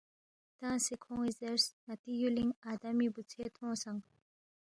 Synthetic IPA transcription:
t̪ãːsikʰõizeɾsnat̪ijuliŋad̪amibut͡sʰeːt̪ʰõːsãŋɡ

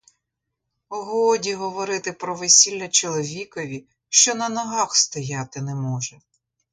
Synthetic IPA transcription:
ɔɦɔdʲiɦɔʋɔɾɪt̪ɪpɾɔʋesʲilʲːɐt͡ʃɔlˠɔʋʲikɔʋʲi | ʃt͡ʃɔnɐnɐɦɑxst̪ɔjɑt̪ɪnɛmɔʒɛ

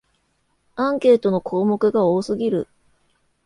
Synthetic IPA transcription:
ãŋke̞ːt̪o̞no̞kʰo̞ːmo̞kɯ̟ɡao̞ːsɨɡʲiɾɯ̟̰

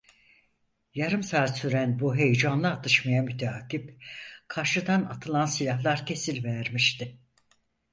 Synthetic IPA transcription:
jaɾɯmsaːsyɾænbuɦe̞jd͡ʒanlˠaːt̪ʰɯʃmajamyt̪ʰaːcipkʰaɾʃɯd̪anat̪ʰɯlˠansilʲaɦlˠaɾcʰe̞silʲvæɾmiʃt̪ɪ

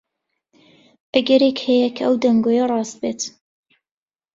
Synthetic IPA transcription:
ʔɐɡɛɾekhɛjɛkʰɐʔɐwd̪ɐŋɡoːjɐrˤɑːst̪̚beːt̪

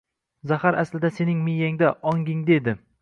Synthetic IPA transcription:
zahaɾaslɪd̪ase̞nɪŋmejaŋd̪aʔɒŋɡʲɪŋd̪e̞d̪ɪ

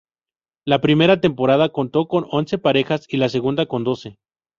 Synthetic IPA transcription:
lapɾime̞ɾat̪e̞mpo̞ɾað̞ako̞nt̪o̞ko̞no̞nse̞paɾe̞xasilase̞ɣ̞und̪ako̞nd̪o̞se̞

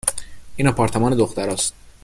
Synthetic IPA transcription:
ʔiːnɒpʰɒːɾt̪ʰemɒːne̞d̪oxt̪æɾɒːst̪̚

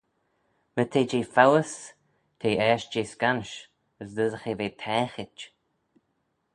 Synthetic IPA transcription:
mət̪ʰeːd͡ʒeːfawəs | t̪ʰeːʔɛːʃd͡ʒeːskanʃ | əsd̪əzəxeːveːt̪ʰɛːxɪt͡ʃ

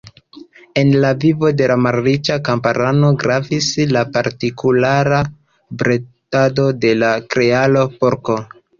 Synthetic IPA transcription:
e̞nlavivo̞de̞lamaɾɾit͡ʃakampaɾano̞ɡɾavislapaɾtikulaɾa | bɾetado̞de̞lakɾe̞alo̞po̞ɾko̞

